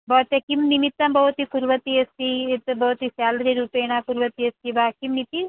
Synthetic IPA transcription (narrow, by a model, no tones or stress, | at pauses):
bɔːt̪ɐkimnimit̪ːɐmbɐut̪ikuɾʋɐt̪iɐst̪it̪bɐːt̪isjaːld̪ɾiɾuːpeːɽ̃akuɾʋɐt̪iɐst̪ibaːkimːit̪i